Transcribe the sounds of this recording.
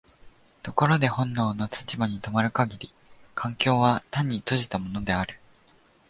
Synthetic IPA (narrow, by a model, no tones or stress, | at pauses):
t̪o̞ko̞ɾo̞d̪e̞hõ̞nːo̞ːno̞t̪ʰḁt͡ɕibaɲ̟it̪o̞maɾɯ̟kaɡʲiɾʲi | kʰãŋkʲo̞ːβat̪ãɲ̟ːit̪oʑi̥t̪amo̞no̞d̪e̞aɾɯ̟